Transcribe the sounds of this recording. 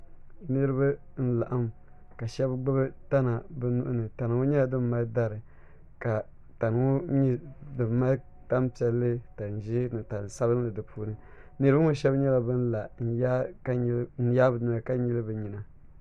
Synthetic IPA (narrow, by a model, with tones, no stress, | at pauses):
nɨ˦ɾɨ˦ba˦ | n̩˦la˨ʔa˦m | ka˨ʃɛ˦bɡ͡bɨ˦bɨ˦ta˦na˨bɨ˦nu˦ʔʊ˦nɨ˨ta˨n˨ŋu˦ɲɛ˦la˨dɨ˦bma˦da˦ɾɨ˨ | ka˨ | ta˨n˨ŋu˦ɲi˦dɨ˨bma˦ | ta˦mpi˨ɛ˨lːɨ˦ta˨n̩˨ʒi˦nɨ˨ta˨n˨sa˦bɨ˦n˦lɨ˨dɨ˨pʰuː˦nɨ˦ | nɨ˦ɾɨ˦ba˦ŋu˦ʃɛ˦bɲɛ˦la˨bɨ˦n̩˦la˨n̩˨ja˦a˦n̩˦ja˦bɨ˨dɨ˨ma˨ka˦ɲi˦lɨ˦bɨ˨ɲi˨na˨